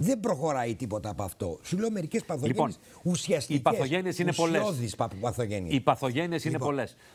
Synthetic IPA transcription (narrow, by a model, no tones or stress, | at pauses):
ðe̞mbɾo̞xo̞ɾɐit̪ipo̞t̪ɐːpoɐft̪o̞̰suleome̞ɾice̞spɐθoliʝepoiess | usiɐst̪icɐeθosʝeniesinespoloðispɐpɐθo̞ʝenḭipɐθoʝe̞niesinnepo̞les